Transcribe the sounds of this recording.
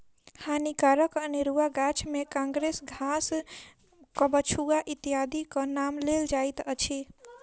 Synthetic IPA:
hãnikaɾəkəniɾuaɡat͡ʃʰmekãŋɡɾesɡʱas | kəbət͡ʃʰuaʔit̪iad̪ikənamleld͡ʒajt̪ət͡ʃʰi

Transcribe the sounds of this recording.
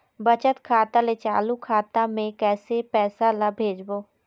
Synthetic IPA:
bət͡ʃət̪kʰaːt̪alet͡ʃaːlukʰaːt̪amẽkɛːsepɛːsalabʱeːd͡ʒboː

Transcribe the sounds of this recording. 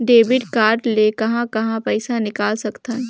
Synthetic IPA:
ɖeːʋɪɖkaːɾɖlekɐɦãkɐɦãpɛːsanɪkaːlsɐkt̪aɦɛ

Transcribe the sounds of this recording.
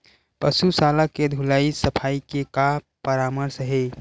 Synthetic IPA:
pəsusaːlaked̪ʱulaisəpʰaːikeka | pəɾaːməɾsɦe

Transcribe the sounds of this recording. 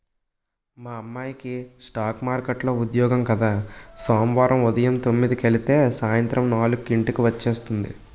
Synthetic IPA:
maːɐmːaːjkisʈaːkmaːɾkeʈlo̞ːud̪jɔːɡɐmkɐd̪aːsaːmʋaːɾɐmud̪ɐjɐmt̪o̞mːid̪ikelit̪e̞ːsaːjɐnt̪ɾɐmnaːlukːiɳʈikiʋɐt͡ʃːe̞ːst̪und̪ḭ

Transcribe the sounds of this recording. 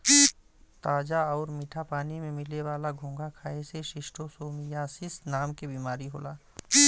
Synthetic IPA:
t̪aːd͡ʒaɔːɾmɪʈʰapaːnimẽmɪleʋaːlaɡʱũːŋɡakʰaːeseʃɪʃʈʰosoːmijaːsɪsnaːmkebiːmaːɾiɦoːlaː

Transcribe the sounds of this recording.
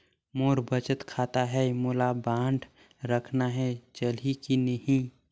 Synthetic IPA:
moːɾbət͡ʃət̪kʰaːt̪aɦɛmoːlabãːɳɖ | ɾəkʰnaɦɛt͡ʃəlikinəɦĩ

